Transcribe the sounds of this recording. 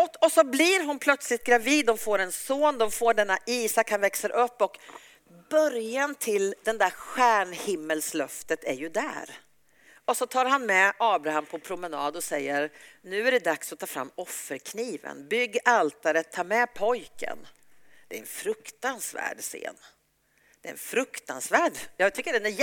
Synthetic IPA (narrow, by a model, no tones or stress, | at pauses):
ɔɔsɔblɪɾɦʊnpʰlœt̪slɪt̪̚ɡɾaviːd̪ːɔmfoːɾɛnsoːnd̪ɔmfoːɖɛnːaiːsakhanvɛksəɾʔɵpːɔk | b̥œɾjant̪ʰɪld̪ɛnd̪æɾɧæːɳhɪmːəlslœft̪ət̪æɾjɵd̪æ̰ːɾ | ɔsɔt̪ʰɑːɾhɦanmɛɑːbɾaɦampʰɔpʰɾʊmɛnɑːd̪ɔsɛjːəɾnʉ̟ːæɖɛd̪aksɔt̪ʰɑːfɾa̰mːɔfːəɾkʰniːvə̰nbʏɡːalt̪aɾət̪ʰːɑːɾmɛpʰɔjkə̰n | d̪̥ɛæɾɛnfɾɵkt̪ansvæ̰ːɖsḛːn | d̪̥ɛɛ̰nfɾɵkt̪ansvæːɖjɑːɡt̪ʰʏkːəɖɛnæ